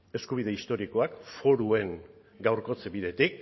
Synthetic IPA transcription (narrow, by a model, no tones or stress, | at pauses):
e̞skuβið̞e̞ist̪o̞ɾiko̞akfo̞ɾue̞ŋ | ɡawɾko̞t͡sebiðe̞t̪ik̚